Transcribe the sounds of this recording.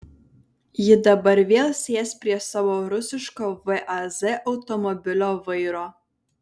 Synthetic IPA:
jɪd̪ɐbɐɾʋʲeːlʲˠsʲeːspʲɾʲiɛsɑːʋoːɾʊsʲɪʃkoːʋɨʔɐzɛʔɒʊt̪ɔmɔbʲɪlʲoːʋɐɪɾoː

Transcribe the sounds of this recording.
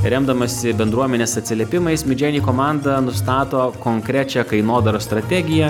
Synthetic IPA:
ɾʲɛmd̪ɐmɐsʲɪbʲɛnd̪ɾuɔmʲɛnʲeːsɐt̪ʲsʲɪlʲɛpʲɪmɐɪsmʲɪd͡ʒʲɛːnʲiːkoːmɑnd̪ɐnʊst̪ɑːt̪oːkoŋkɾʲæt͡ʃʲɛkɐɪnoːd̪ɐɾoːst̪ɾɐt̪ʲæɡʲɪjɛ

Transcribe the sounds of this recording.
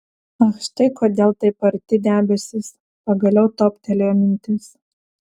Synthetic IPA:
ɐʃt̪ɐɪkoːd̪ʲeːlˠt̪ɐɪpɐɾʲt̪ʲɪd̪ʲæːbʲɛsʲɪs | pɐɡɐlʲɛʊt̪oːpʲt̪ʲɛlʲejomʲɪnʲt̪ʲɪs

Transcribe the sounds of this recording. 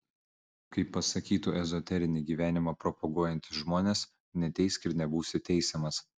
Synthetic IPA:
kɐɪpːɐsɐkʲiːt̪uːʔɛzɔt̪ʲɛɾʲɪnʲiːɡʲiːʋʲæːnʲɪmɑpɾɔpɔɡuɔjɛnʲt̪ʲɪʒmoːnʲes | nʲɛt̪ʲɛɪsʲkʲɪɾnʲɛbuːsʲɪt̪ʲɛɪsʲɛmɐs

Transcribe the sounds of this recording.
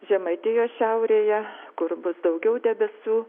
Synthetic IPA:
ʒʲɛmɐɪt̪ʲɪjoːsʃʲɛʊɾʲeːjɛkʊɾbʊsd̪ɐʊɡʲɛʊd̪ʲɛbʲɛsʲuː

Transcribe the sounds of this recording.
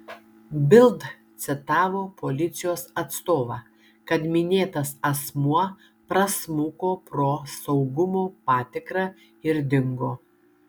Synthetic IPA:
bʲɪlˠd̪ | t̪sʲɪt̪ɑːʋoːpolʲɪt̪sʲɪjoːsɐt̪st̪oːʋɑː | kɐt̪mʲɪnʲeːt̪ɐsɐsmuɐ | pɾɐsmʊkoːpɾoːsɐʊɡʊmoːpɑːt̪ʲɪkɾɑː | ɪɾd̪ʲɪŋɡoː

